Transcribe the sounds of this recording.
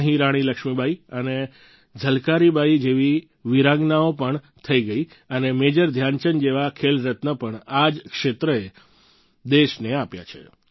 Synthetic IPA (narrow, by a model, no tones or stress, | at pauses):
əɦĩɾaɽ̃iləkʃmibʱaiəne | d͡ʒʱəlkaɾibʱaid͡ʒeʋi | ʋiɾãɡnaopəɳ | t̪ʰəiɡəi | ənemed͡ʒəɾd̪ʱjant͡ʃənd͡ʒeʋakʰelɾət̪nəpəɳad͡ʒkʃet̪ɾəe | d̪eʃneapja̰t͡ʃʰḛ